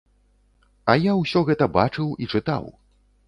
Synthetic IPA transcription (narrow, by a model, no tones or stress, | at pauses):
ɐjawsʲɔɣɛt̪ɐba̰t͡ʂɨwit͡ʂɨt̪a̰w